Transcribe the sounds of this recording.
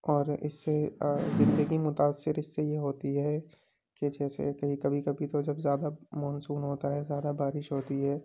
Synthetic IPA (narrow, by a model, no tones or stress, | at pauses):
ɔːɾɪ̰sːezɪ̃nd̪əɡimʊt̪aːsːɪɾɪsːejeɦoːt̪iɦɛː | ked͡ʒɛːsḛkɐɦikɐbʱikɐbʱit̪od͡ʒɐbzjaːd̪amɔːnsuːnɦoːt̪aɦɛzjaːd̪abaːɾɪʃɦoːt̪iɦɛː